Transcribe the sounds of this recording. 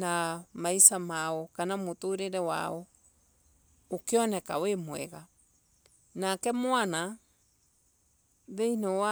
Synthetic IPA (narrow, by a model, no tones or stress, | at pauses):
namaisamaɔkanamotoɾeɾɛwa̰ɔ | okeɔnɛkawemwɛ̰ɣa | nakɛmwana | ðeinɔwa